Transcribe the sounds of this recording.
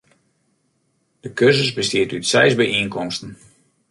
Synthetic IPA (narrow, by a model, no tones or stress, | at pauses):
d̥əkørzəsbəstiətytsɛjzbɛjʔiənkɔmstən̩